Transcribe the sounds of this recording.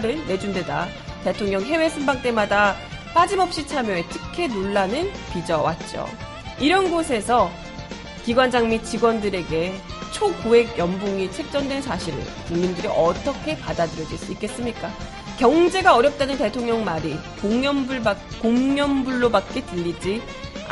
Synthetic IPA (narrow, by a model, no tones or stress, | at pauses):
ɾɯnːe̞d͡ʑunde̞da̰ | te̞tʰoŋɲʌŋɦe̞we̞sʰɯmbaŋ̚t͈e̞mada | p͈ad͡ʑimʌp̚ɕ͈it͡ɕʰamjʌe̞tʰɯ̥kʰe̞noɭːanɯn | pid͡ʑʌwa̰t̚t͡ɕ͈o̰ | iɾʌnɡosʰe̞sʰʌ | kiɡwand͡ʑaŋmit͡ɕiɡwʌndɯɾeɡe̞t͡ɕʰokue̞ɡjʌmboŋit͡ɕʰe̞k̚t͡ɕ͈ʌndwensaɕʰiɾɯ̰ɭ | kuŋɲindɯɾiʔʌt͈ʌkʰe̞padadɯɾjʌd͡ʑis͈ik͈e̞s͈ɯmɲik͈a | kjʌŋd͡ʑe̞ɡaʌɾjʌp̚t͈anɯnte̞tʰoŋɲʌŋmaɾi | koŋjʌmbuɭakoŋɲjʌmbuɭːobak̚k͈e̞tɯʎːid͡ʑi